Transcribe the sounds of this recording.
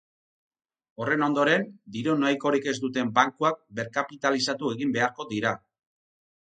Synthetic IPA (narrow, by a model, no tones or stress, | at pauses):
o̞re̞no̞nd̪o̞ɾe̞nd̪iɾo̞najko̞ɾike̞zd̪ut̪e̞mbaŋkuak̚be̞ɾkapit̪alisat̪ue̞ɣimbe̞aɾko̞d̪iɾa